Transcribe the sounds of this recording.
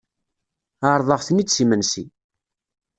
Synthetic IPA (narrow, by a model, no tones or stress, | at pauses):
aɾˤðˤəʁθnit͡sːsimənsḭ